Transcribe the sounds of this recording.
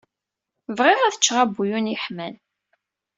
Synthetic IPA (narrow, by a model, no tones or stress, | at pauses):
vʁɪʁæθət͡ʃːʁabːujuniħmæl